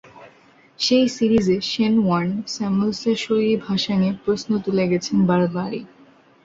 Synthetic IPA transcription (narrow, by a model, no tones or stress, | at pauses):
ʃejsiɾizeʃenwansɛmulsaʃojebʱaʃaŋepɾosnot̪uleɡɛt͡ɕʰenbaɾbaɾi